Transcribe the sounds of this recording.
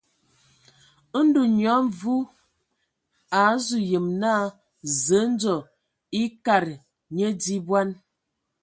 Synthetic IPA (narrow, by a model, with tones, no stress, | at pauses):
n̩˦du˨ɲɔ˨˦mvu˦ | a˨˦zu˨jə˨mna˦˨ | zə˨˦n̩˦d͡zɔ˨ | i˦ka˨ɾ | ɲə˦di˦bwa˦n